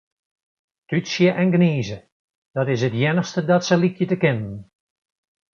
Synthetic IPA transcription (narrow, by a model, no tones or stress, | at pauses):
tysjəʔɛnɡniːzə | d̥ɑtɪsɦətjɛnəχstədɑtsəlikjətəkɪnən